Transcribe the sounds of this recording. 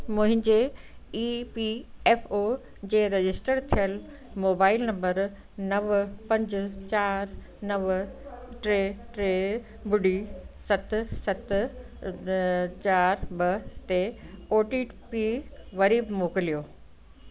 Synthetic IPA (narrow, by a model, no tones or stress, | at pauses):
mʊ̃ɦɪ̃ɲd͡ʑeiːpieːfoː | d͡ʑeːɾed͡ʑɪsʈəɾt̪ʰijəl | moːbaːɪlnɐ̃mbəɾ | nɐʋpɐ̃ɲd͡ʑt͡ɕaːɾ | nɐʋʈɾeːʈɾeː | bʊɖisɐt̪sɐt̪ | t͡ɕaːɾbɐt̪eoːʈipiʋɐɾiːbmoːkɪlijoː